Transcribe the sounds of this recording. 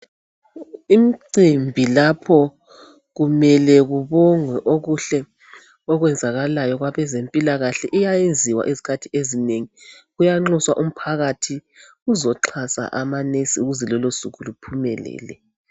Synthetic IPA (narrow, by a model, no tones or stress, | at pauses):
imiǀimbʱilapʰɔ | ɣumɛlɛɣuβɔŋwɛʔoɣuɬɛ | ɔɣwɛnd͡zʱaɣalajɔɣwaβɛzempʼilaɣaɬɛʔijajend͡zʱiwa̰ʔizi̥kʰatʰiezineŋiɣujaŋ͡ǁɔswaʔum̩pʰaɣatʰi | uzɔǁʰasa̰ʔamanesiuɣuzɛlɔlosuɣulupʰumɛ̰lɛ̰ːlɛ